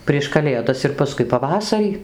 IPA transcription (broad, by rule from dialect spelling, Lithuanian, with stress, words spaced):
pʲrʲiɛʃ kɐˈlʲeːdɐs ɪr pɐˈskʊɪ pɐˈʋɑːsɐrʲiː